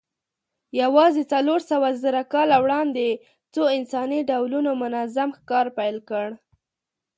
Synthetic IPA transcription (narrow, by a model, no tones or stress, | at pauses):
jawɑzet͡saloɾsawazəɾakɑlawɽɑnd̪e | t͡soɪnsɑniɖawlunomʊnazamxkɑɾpajlkəɽ